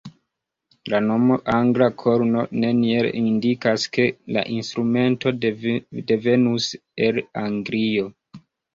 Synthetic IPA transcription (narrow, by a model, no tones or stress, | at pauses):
lano̞mo̞ʔaŋɡlakʰo̞ɾno̞ne̞nielindikaske̞la̰ʔinstɾume̞nto̞de̞ve̞nuse̞laŋɡɾio̞